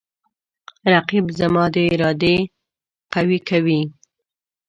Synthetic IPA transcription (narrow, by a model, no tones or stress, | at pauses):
ɾaqibzamɑd̪əɪɾɑd̪e | qawikawi